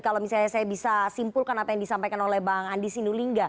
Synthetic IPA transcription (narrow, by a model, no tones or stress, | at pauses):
kalomisalɲasajabisasimpulkanapajaŋdisampajkanolɛhbaɦaŋandisinuliŋɡa